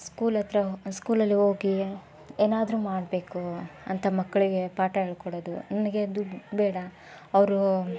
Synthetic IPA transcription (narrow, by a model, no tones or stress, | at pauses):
skuːlɐt̪ɾɐskuːlɐlːiɦoːɡi | eːnaːd̪ɾuːmaːɽbe̞ːkuɐnt̪ʰɐmɐkːɐɭiɡe̞paːʈɐeɭkoɽoːd̪unɐnɐɡe̞d̪uɖbeːɽɐ | ɐʋɾu